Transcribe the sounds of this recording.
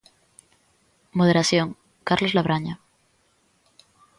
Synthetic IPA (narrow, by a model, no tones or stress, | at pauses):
moð̞eɾaθjoŋ | kaɾlozlaβɾaɲa